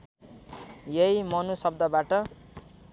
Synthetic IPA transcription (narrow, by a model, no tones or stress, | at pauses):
jʌimʌnusʌb̚d̪ʌbaʈʌ